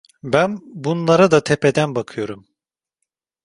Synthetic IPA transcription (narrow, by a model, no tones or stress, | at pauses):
bænbunlˠaɾad̪at̪ʰepʰed̪ænbakʰɯjo̞ɾum